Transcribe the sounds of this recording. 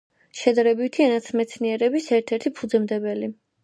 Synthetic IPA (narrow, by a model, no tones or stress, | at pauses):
ʃɛd̪aɾɛbit̪ʰianat̪sʰmɛt̪sʰniɛɾɛbisɛɾt̪ʰɛɾt̪ʰipʰud̪zɛmd̪ɛbɛli